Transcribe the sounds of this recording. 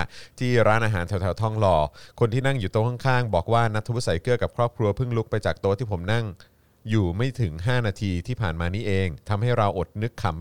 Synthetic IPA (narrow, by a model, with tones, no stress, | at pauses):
t̪ʰiː˥˩ɾaː˦˥nʔaː˧ɦaː˩˦nt̪ʰɛ˩˦wt̪ʰːwt̪ʰɔ˥˩ŋlɔː˧kʰo˧nt̪ʰiː˥˩na˥˩ŋjuː˨˩t̪u˧kʰɔ˥˩ŋkʰaː˥˩ŋbɔː˨˩k̚waː˥˩na˦˥t̪ʰːu˦˥sa˩˦jkɯ˥˩əka˨˩kʰɾɔː˥˩p̚kʰɾu˧ɐpʰɯ˥˩ŋlu˦˥k̚pa˧jt͡ɕaː˨˩k̚t̪u˧t̪ʰiː˥˩o˩˦mna˥˩ŋ | juː˨˩ma˥˩jt̪ʰɯ˩˦ŋɦaː˥˩naː˧t̪ʰiː˧t̪ʰiː˥˩pʰaː˨˩nmaː˧niː˦˥ʔeː˧ŋt̪ʰa˧mɦa˥˩jɾa˧wʔo˨˩t̪̚nɯ˦˥kʰːa˨˩˦m